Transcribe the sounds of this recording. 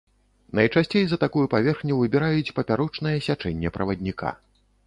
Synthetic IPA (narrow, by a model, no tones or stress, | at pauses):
nɐjt͡ʂasʲt͡sʲejzɐt̪akujupavʲɛrxnʲuvɨbʲɛɾajut͡sʲpɐpʲaɾɔt͡ʂn̪ɐjɛsʲat͡ʂɛnʲːɛpɾɐvɐd̪ʲnʲika̰